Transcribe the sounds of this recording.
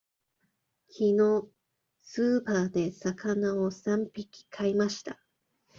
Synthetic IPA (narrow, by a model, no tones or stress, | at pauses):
kʲʰino̞ | sɨːpaːd̪e̞sakanao̞sãmpʲikʲi̥kʰaimaɕi̥t̪a